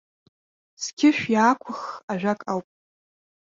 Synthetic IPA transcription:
sɡʲʰɪʃᶣjaːkʷʰʊχaʒᶣakʼawpʼ

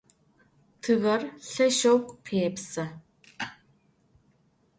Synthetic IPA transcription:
tʰɨɣɐrɬɐʃowkʷʼpʰeːpsɐ

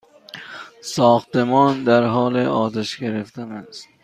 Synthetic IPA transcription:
sɒːxt̪emɒːnd̪æɾɦɒːleʔɒːt̪ʰeʃɡeɾeft̪ænæst̪

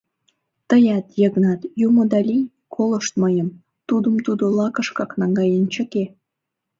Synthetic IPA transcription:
t̪əjɑt̪jəɡnɑt̪jumod̪ɑlʲi | kʰolə̆ʃt̪məjə̆m | t̪ud̪ə̆mt̪ud̪olɑkə̆ʃkɑknɑŋɡɑjənt͡ɕə̆ke

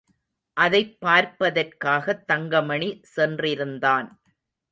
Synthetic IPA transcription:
ʔɐðɐɪpːaːɾpɐðɐrkaːɣɐt̪ːɐŋɡɐmɐɳisɛndrɪɾɯnd̪aːn

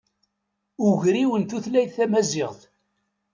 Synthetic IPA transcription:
ʊʝɾiwənt̪uθlæjðθæmæzɪʁθ

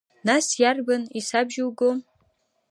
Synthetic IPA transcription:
nasjarbanisabʒɪwɡom

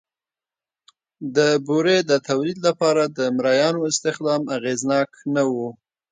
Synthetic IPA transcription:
d̪əbuɾed̪ət̪awlid̪lapɑɾad̪əmɾajɑnoɪst̪ɪxd̪ɑmaɣeznɑknawu

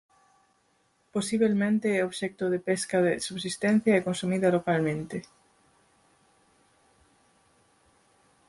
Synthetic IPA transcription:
posiβ̞elmẽnt̪eɛoβʃɛk̚t̪oðepeskɐðesuβsist̪ɛn̟θjɐɛkonsumiðɐlokalmẽnt̪ɪ

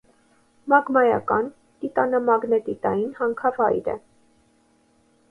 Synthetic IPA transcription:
mɑɡmɑjɑ̰kɑn | t̪it̪ɑnɑmɑɡnɛt̪it̪ɑjinhɑŋkʰɑvɑjɾə̰

